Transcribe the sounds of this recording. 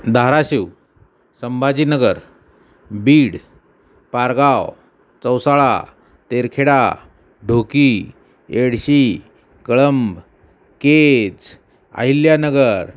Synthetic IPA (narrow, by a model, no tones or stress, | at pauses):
d̪ʱaɾaɕiw | səmbʱad͡ʑiːnəɡəɾ | biːɽ | paɾɡaw | t͡səwsaɭa̰ | t̪eɾkʰeɽa | ɖʱoki | eɽɕi | kəɭəmb | ked͡z | a̰iljanəɡəɾ